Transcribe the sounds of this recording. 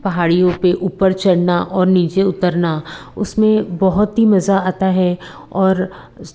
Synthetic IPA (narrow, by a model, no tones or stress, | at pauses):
pɐɦaːɽijõpeʔuːpəɾt͡ʃɐɽnaʔɔːɾniːt͡ʃeʊt̪əɾnaʊ̰smẽbɐɦʊt̪ɦimɐzaaːt̪aɦɛ | ɔːɾ